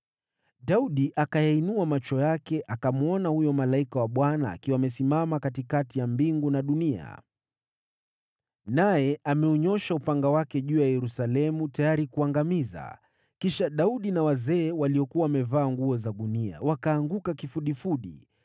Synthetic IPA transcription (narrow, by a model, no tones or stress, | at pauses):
ɗauɗiʔakajainuamat͡ʃɔjakɛʔakamuɔnahujɔmalaikawaɓwana̰ːkiwaːmɛsimamakatikatijambiŋɡunaɗunia̰ | najɛʔamɛɔɲɔʃaupaŋɡawakɛʄuːjajɛɾusalɛmutajaɾikuaŋɡamiza̰ | kiʃaɗauɗinawazɛːwaliɔkuwawamɛvaːŋɡuɔzaɗunia̰wakaːŋɡukakifuɗifuɗḭ